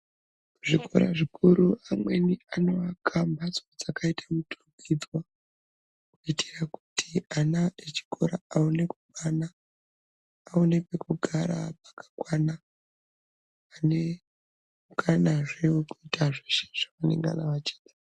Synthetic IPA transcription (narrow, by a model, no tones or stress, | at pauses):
ʐiko̞̰ɾa̰ʐikʰuɾuamwe̞niano̞akʰambat͡sod͡zakʰaitʰamuturuɡid͡zwa | kuitʰeraku̥tʰianaet͡ʃi̥kʰo̞ɾaaune̞kuɓana | une̞pekuɡʱaɾa̰pḁkḁkwana | ne̞ | ukʰanaʐeokuitaʐeʃe̥ʐ̥akanḛŋɡa̰naʋat͡ʃe̥ːɗḁ